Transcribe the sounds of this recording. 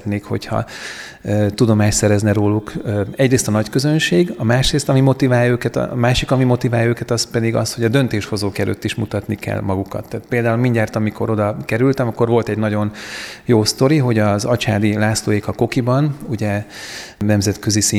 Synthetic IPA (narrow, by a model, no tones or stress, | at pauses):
t̪neːkho̞̰chɒ̰ | t̪ud̪o̞maːʃsɛɾɛznɛɾoːlukːɛɟreːst̪ɒnɒckø̞zø̞nʃeːɡɒmaːʃreːst̪ɒmimo̞t̪ivaːjɒøːkɛt̪ːmaːʃikɒmimo̞t̪ivaːjɒøːkɛt̪ɒspɛd̪iɡɒ̰sho̞ɟɒd̪ø̞nt̪eːʃho̞zoːkɛlø̰t̪ːiʃmut̪ɒt̪nikɛ̰lmɒɡukɒ̰t̪ːaːt̪̚peːld̪aːulmiɲɟaːrt̪ɒmiko̞̰ɾo̞d̪ɒkɛɾylt̪ɛmɒkːo̞ɾʋo̞lt̪ɛɟnɒɟo̞njoːst̪o̞ɾiɦo̞ɟɒzɒt͡ʃaːd̪ilaːsloːjekɒko̞kibɒnuɟɛ | nɛmzɛt̪køzisi